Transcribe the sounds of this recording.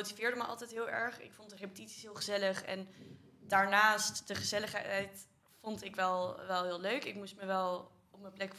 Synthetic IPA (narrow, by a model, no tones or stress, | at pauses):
owtivɪːɹdəməʔɑ̰lˠtɛjtɦɪːlˠɛɹχɪ̰kfɔntdərepə̥titsi̥sɦɪːlˠχəzɛləχɛ̰n | daːɹnaːstd̥əχəzɛləχɛjt | fɔntɪkʋɛlˠʋɛlˠɦɪːlˠløɥkɪkmustməʋɛlˠ | ɔp̚mənplɛk